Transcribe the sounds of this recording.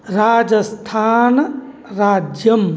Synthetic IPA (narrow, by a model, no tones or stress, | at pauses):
ɾaːd͡ʒɐst̪ʰaːn | ɾaːd͡ʒjɐm